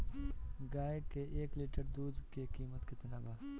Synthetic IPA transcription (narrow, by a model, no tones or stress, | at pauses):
ɡaːjkeʔeːkliːʈəɾd̪uːd̪kekiːmət̪kɪt̪ɪnaːbaː